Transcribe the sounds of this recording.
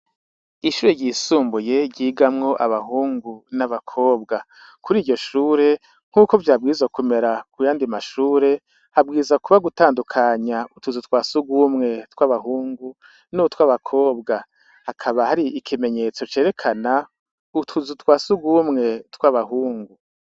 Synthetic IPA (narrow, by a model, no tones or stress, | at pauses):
iʃuːɾe̞ɟiːsuːmbuje̞ɟiːɡamŋo̞ʔaβaɦuːŋɡunaβakʰo̞ːbɡa | kuɾiːɟo̞ʃuːɾe̞ | ŋ̥uːkovjaːb̚ɡizakume̞ɾakujaːndimaʃuːɾe̞ | habɡiːzakuβaɡutaːndukʰaɲautʰuzutkwaːsuɡumŋe̞twaβaɦuːŋɡu | nutwaβakʰo̞ːbɡa | hakʰaβahaɾiikʰime̞ɲe̞t͡so̞t͡ʃe̞ːɾe̞kʰana | utʰuzutwaːsuɡumŋe̞twaβaɦuːŋɡu